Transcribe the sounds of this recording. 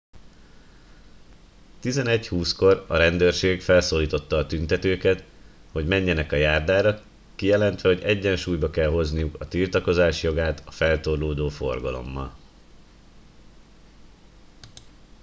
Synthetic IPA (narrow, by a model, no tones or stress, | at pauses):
t̪izɛnɛchuːsko̞rɒɾɛnd̪øːrʃeːɡfɛlsoːliːt̪o̞t̪ːɒːt̪ynt̪ɛt̪øːkɛt̪ | ho̞ɟmɛɲːɛnɛkɒjaːrd̪aːɾɒ | kijɛlɛnt̪ʋɛho̞ɟɛɟːɛnʃuːjbɒkɛlɦo̞znijukɒt̪ilt̪ɒko̞zaːʃjo̞ɡaːt̪ɒfɛlt̪o̞rloːd̪oːfo̞̰rɡɒlo̞̰mːɒ̰l